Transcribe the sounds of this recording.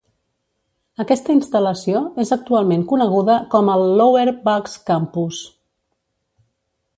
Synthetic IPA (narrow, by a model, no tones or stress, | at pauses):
əkɛst̪əinst̪ələsioezək̚t̪ualˠmeŋkunəɣ̞uðəkɔməlˠːoweɾbakskampus